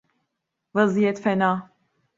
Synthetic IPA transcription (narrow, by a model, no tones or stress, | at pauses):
vɐzijɛt̪fɛnaː